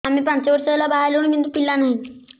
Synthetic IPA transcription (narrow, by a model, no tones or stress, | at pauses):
am̤iːpãɲt͡ɕaʋəɾʂəlabaɦajloñmind̪upilːanaɦi